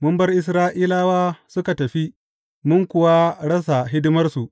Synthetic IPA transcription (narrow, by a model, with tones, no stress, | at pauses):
mʊ˦mbɐ˦rʔɪ˦s̬ɾaː˦ʔiː˦laː˦waː˦sʊ˦ka˨tɐ˨ɸi˦ | mʊ˦ŋkʷʊ˨wa˦ɽɐ˦s̬a˨ɦɪ˦dɪ˦mɐ˦rsu˨ʔ